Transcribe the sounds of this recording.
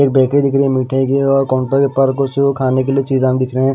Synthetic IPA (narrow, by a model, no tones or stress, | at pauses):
eːk̚bɛːked̪ɪkɾiɛ̃miːʈʰẽɡiɔːɾkɔ̃ːɳʈokepɐɾkoʃʊɾukʰaːnek̬eliet͡ʃiːzamd̪ɪkʰɾeeɦɛ̃ː